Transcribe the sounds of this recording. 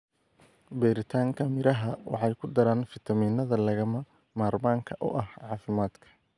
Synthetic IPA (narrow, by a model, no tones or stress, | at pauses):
bɛːɾɪt̪ʰaːŋkʰɐmɪɾɐɦɐwɑ̰ħɑjkʰʊd̪ɐɾaːnfɪt̪ʰɐmiːnːɐðɐlɐɣɐmɐ | maːrmaːŋkʰɐʔʊ̰ʔɐhʕɑːfɪmaːd̪kʰɐ̥